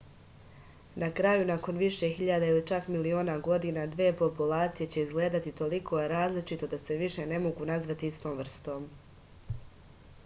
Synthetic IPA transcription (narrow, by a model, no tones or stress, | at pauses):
nakɾajunako̞nʋiʃe̞xiʎad̪ailit͡ʃakmilio̞ːnaɡo̞d̪inad̪ʋeːpo̞pulaːt̪sije̞t͡ɕe̞izɡle̞ːd̪at̪it̪o̞likʰo̞jeɾaːzlit͡ʃit̪o̞d̪ase̞ʋiʃe̞ne̞mo̞ɡunazʋat̪iist̪o̞ːmʋr̩st̪o̞ːm